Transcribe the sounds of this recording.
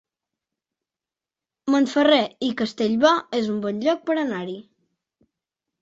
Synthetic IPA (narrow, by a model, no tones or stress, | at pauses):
monfəreikəst̪eʎβɔezumbɔnʎɔk̚pəɾənaɾi